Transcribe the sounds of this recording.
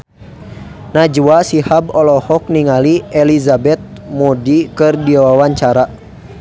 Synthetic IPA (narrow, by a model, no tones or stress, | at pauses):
nad͡ʒuasihabɔlɔhɔk̚niŋaliɛlizabɛt̪̚mɔdikɨrdiawawaɲt͡ʃaɾa